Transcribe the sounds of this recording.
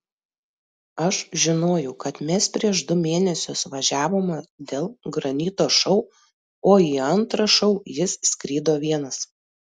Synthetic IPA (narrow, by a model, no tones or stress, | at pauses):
ɐʃʒʲɪnoːjʊʊkɐt̪mʲɛspʲɾʲiɛʃd̪ʊmʲeːnʲɛsʲʊsʋɐʒʲæːʋoːmɐd̪ʲeːlˠɡɾɐnʲiːt̪oːʃɔʊ | oːiːɐnt̪ɾɐʃɔʊjɪsːʲkɾʲiːd̪oːʋʲiɛnɐs